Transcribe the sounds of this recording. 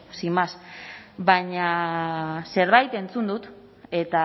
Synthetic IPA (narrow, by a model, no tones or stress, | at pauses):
simasbaɲa | se̞ɾβajt̪e̞nt͡sund̪ut̪ | e̞t̪a